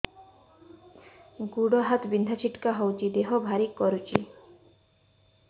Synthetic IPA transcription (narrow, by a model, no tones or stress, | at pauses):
ɡuɽɔɦat̪bind̪ʱat͡ʃʰiʈkaɦɔwt͡ʃʰid̪eɦɔbʱaɾikːɔɾut͡ʃʰi